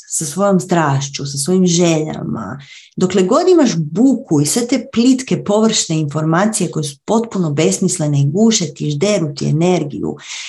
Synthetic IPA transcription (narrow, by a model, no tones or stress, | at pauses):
sasʋo̞jomst̪ɾaːʃt͡ɕusasʋo̞jimʒeʎa̰ma̰ | d̪o̞kleɡo̞d̪imaʃbukʰuisʋet̪e̞plit̪ke̞po̞ʋr̩ʃne̞info̞ɾmaːt̪sije̞kojesu̥po̞t̪puno̞be̞smisle̞neiɡuːʃet̪iʒd̪e̞ɾut̪ie̞̰ne̞ɾɡḭjṵ